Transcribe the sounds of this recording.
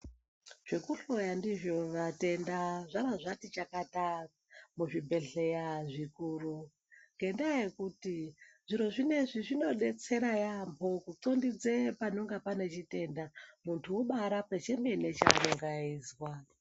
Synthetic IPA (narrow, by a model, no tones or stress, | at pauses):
ʐ̥ekuɬojandiʐjo̞ʋate̞ndaʐaɾaʐatit͡ʃakata | muʐibʱe̞ɬe̞jaʐikuːru | ŋɡe̞ndajekutiʐ̥iɾo̞ʐine̞ʐiʐino̞ɗe̞t͡se̞ɾajambʰʱo̞kut͡so̞ndid͡zepano̞ŋɡapane̞t͡ʃite̞ndamuntʰuuɓaɾapet͡ʃembe̞ne̞t͡ʃa̰noŋɡaiːzwa